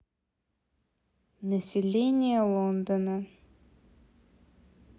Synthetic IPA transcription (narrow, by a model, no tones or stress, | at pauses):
nəsʲɪlʲenʲɪjəlˠond̪ənə